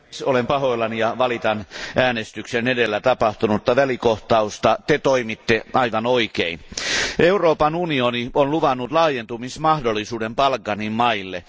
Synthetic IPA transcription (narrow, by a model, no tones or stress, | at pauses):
solempɑhoilːɑnijɑʋɑlit̪ɑnʔæːnest̪yksenedelːæt̪ɑpɑht̪unuot̪ːɑʋælikoht̪ɑust̪ɑt̪et̪oimit̪ːeʔɑiʋɑnoikeinʔeuroːpɑnunionionluʋɑnːut̪lɑːjent̪umismɑhdolːisuːdempɑlkːɑnimmɑilːe